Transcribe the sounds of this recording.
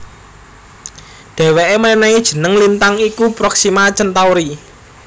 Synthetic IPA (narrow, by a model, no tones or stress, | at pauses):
ɖ̪̥ɛ̤weʔeməlɛnɛid̥ʒ̥ə̤nəŋlint̪aŋikupɾɔksimat͡ʃənt̪auɾi